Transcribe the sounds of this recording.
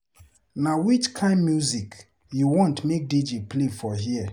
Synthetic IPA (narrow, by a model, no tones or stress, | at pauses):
nawit͡ʃkʰãɪ̃ndmjuzik | juwɔ̃ntmek̚did͡ʒeplefɔɦiə